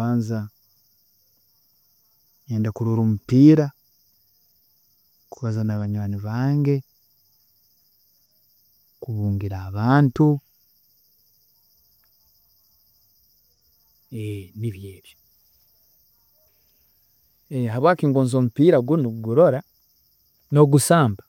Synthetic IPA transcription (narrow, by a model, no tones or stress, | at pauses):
aːnza | ɲeːndakuɾuɾomupiːɾa | kuβazanaβaɲwaːniβaːŋɡe̞ | kuβuːŋɡiɾaːβaːntu | eniβjeːβjo | eɦaβwaːkiːŋɡoːnzo̞ːmupiːɾaɡunuɡuɾo̞ɾa | no̞ɡusaːmba